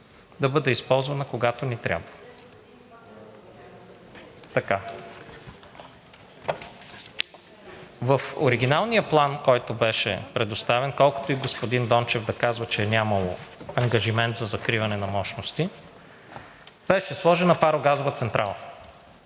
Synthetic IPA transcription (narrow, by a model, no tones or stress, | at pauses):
d̪ɐbɤd̪ɛispɔlˠzvɐnɐkoɡat̪onit̪ɾʲa̰bvə | t̪ɐka | vɐfoɾiɡ̟inalˠnijəplˠankɔjt̪obɛʃɛ̰pɾɛd̪ost̪avɛnkɔlˠko̥t̪oiɡospod̪ind̪ɔnt͡ʃɛvd̪ɐkazvət͡ʃɛːnʲamɐlˠo̰ɐŋɡɐʒimɛnt̪zɐzɐkɾivɐnɛnɐmɔʃnost̪i | b̥ɛʃɛslˠɔʒɛnɐpaɾoɡazovət̪sɛnt̪ɾʔalˠə